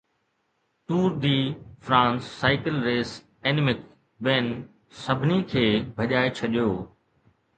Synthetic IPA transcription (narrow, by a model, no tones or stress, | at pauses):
ʈ̪uːɾd̪iːfɾãːnsːaːɪkɪlɾeːs | eːnɪmɪk | ʋeːn | sɐbʱɪnikʰeːbʱɐʄaːet͡ɕʰɐʄijoː